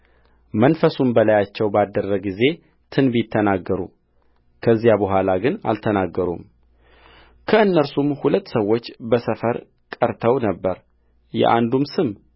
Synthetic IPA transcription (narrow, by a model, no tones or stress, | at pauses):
mənfəsumbəlajat͡ʃːɛwbad̪ərːəɡize̞ | t̪ʰɨnbjɪt̪ʰːənaɡːəɾṵ | kʰəzːijabəɦʷalaɡɨna̰lt̪ʰənaɡːəɾṵm | kʰəɨnːəɾsumhulət̪ːsəwːo̞t͡ʃːbəsəfəɾ | kʼəɾt̪ʰəwnəbːəɾ | jɛ̰ʔa̰nd̪umsɨm